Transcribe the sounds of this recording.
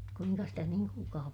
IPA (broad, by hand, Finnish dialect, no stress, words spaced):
kuiŋkɑ stæ niːŋ kuːlkɑː